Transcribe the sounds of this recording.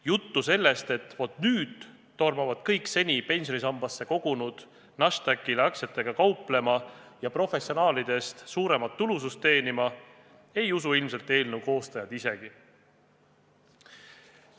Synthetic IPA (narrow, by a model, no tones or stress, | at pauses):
jut̪ːuse̞lːe̞st̪e̞t̪ːvo̞t̪ːˑnyːd̪̥ː | o̞rmɑvɑd̪̥kɤjkse̞nʲipe̞nsʲjo̞nisɑmbɑsːe̞ko̞ɡ̥unud̪̥ | nɑʃt̪ækːˑilɑkse̞t̪ːˑe̞ɡ̥ɑkɑwple̞mɑjɑpro̞fe̞sio̞nɑːlid̪̥e̞st̪suːɾe̞mɑt̪ːulusust̪ːe̞ːnimɑ | e̞jusuilmse̞lt̪ːe̞ːlnuwko̞ːst̪ɑjɑd̪̥ise̞ɡ̥i